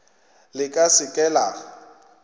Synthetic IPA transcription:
lɪkʼasɪkʼɛːla

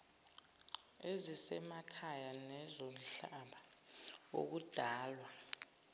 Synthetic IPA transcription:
ezisɛmakʰajanɛzom̩ɬaɓa | wo̰k̬ud̥ʱaːlwa

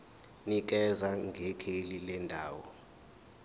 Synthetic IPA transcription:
nik̬ɛzaŋɡʱekʰelilɛndʱaːwɔ̰

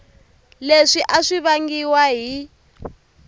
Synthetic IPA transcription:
leʂiʔaʂiβaŋɡiwaɦi

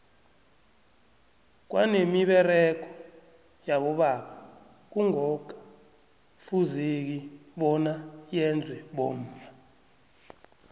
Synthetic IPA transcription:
k̬wa̰nemiɓɛrɛk̬ɔ | jaɓɔɓaɓa | k̬uŋɔkḁ | fuzik̬iɓɔnajɛnd͡zʱwɛɓom̩ːa

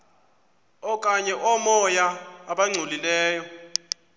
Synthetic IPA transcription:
ɔkʼaɲɛʔɔmɔjaːɓaŋ͡ǀʱulilɛːjɔ

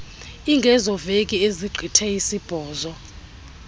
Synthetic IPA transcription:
iŋɡʱɛzɔvekʼieziɡ͡ǃʱitʰɛisib̥ʱɔːzɔ

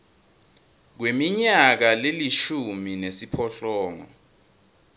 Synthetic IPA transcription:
k̬wemiɲak̬aleliʃuminesipʰɔɬɔːŋɔ̰

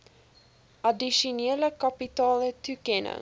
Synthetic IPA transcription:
ʔɐdiʃuneːləkɑpitɑːlətukɛnə̰ŋ

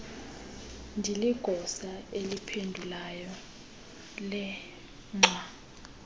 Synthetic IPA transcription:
ndʱiliɡ̥ʱɔsaelipʰendʱulajɔ | lɛ | ŋ͡ǁʱwa

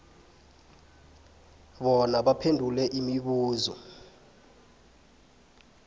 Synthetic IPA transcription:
ɓɔnaɓapʰendʱulɛʔimiɓuːzɔ̰

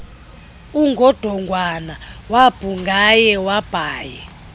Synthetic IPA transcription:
uŋɡʱɔd̥ʱɔŋɡʱwanawab̥ʱuŋɡʱajɛwab̥ʱaːjɛ

